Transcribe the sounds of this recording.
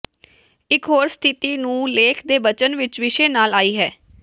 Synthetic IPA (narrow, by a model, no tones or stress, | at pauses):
ɪkɦoːɾst̪ʰɪt̪iːnũːleːkʰd̪eːbət͡ʃənʋɪt͡ʃʋɪʃeːnaːlaːiːɦɛː